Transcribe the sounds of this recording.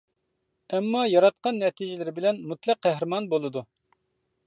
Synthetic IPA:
ɛmːɑjɑɾɑt̪̚qɑnːɛt̪ʰid͡ʒɪlɪɾɪbɪlɛnmut̪lˠæqːæɦɾɪmɑnbolˠɨd̪u

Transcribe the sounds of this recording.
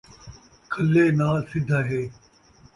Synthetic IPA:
kʰəlːeːnaːlsɪd̪ʱaɦeː

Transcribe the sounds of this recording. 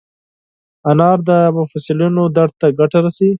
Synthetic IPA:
anɑɾd̪əmʊfasɪlinod̪aɽt̪aɡaʈaɾasi

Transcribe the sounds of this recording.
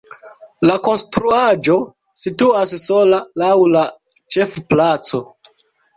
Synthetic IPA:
lako̞nstɾuad͡ʒo̞ | situasso̞lalawla | t͡ʃe̞fplat͡so̞

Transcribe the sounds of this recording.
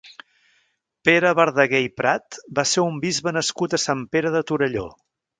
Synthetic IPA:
peɾəβəɾðəɣejpɾat̪baseumbizβənəskut̪əsampeɾəðət̪uɾəʎo̰

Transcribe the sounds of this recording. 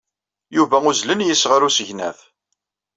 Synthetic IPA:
juvæʊzlənjəsːʁəɾusəʝnæ̰θ

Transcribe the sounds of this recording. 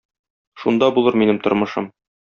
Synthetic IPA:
ʃund̪ɑbulˠɤɾminɘmt̪ŏɾmɤ̆ʃɤ̰m

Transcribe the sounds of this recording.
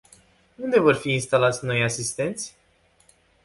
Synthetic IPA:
und̪e̞vo̞rfiːnst̪alat̪sʲno̞jasist̪e̞nt̪sʲ

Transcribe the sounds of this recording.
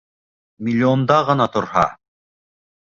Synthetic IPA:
mʲilʲːiond̪ɑʁɤ̆nɑt̪oɾɦɑ̰

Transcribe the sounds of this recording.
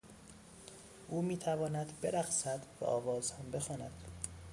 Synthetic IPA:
ʔuːmiːt̪ʰævɒːnæd̪be̞ɾæxsæd̪væ̰ʔɒːvɒːzhæmbe̞xɒːnæd̪̥

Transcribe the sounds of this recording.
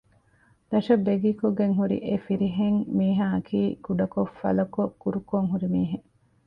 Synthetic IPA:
d̪̥ɐʂɐbːeɡiːkoɡeŋɦuɾḭʔefiɾiɦeŋmiːɦaːɐkʰiːɡ̥uɖɐkofɐ̰lɐkokuɾukoŋɦuɾimiːɦe

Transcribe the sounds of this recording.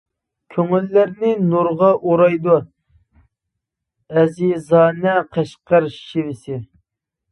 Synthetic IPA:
kʲʰøŋylːæɾnɪnuɾʁɑʔoɾɑjd̪u | ɛzizɑːnɛqʰɛʃqɑɾʃivɪsɪ

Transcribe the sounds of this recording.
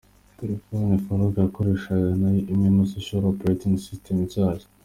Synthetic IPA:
teɾefonifoɾoɡajakoɾe̞ːʃaɡanajiimimosoʃalopɾetĩŋɡsistʰemzaːɾi̥

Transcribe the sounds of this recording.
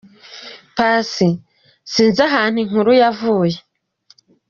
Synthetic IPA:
paːsi | siːnzaɦaːn̥hiŋ̥huɾujavuːje

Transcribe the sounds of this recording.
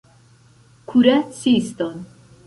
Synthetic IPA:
kʰuɾæt͡sist̪ɔn

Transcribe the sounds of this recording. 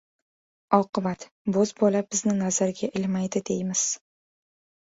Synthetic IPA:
ɒqɨbat̪ | bɵzbɒlabɪznɪnazaɾɡʲaʔɪlmajd̪ɪd̪e̞jmɪz̥

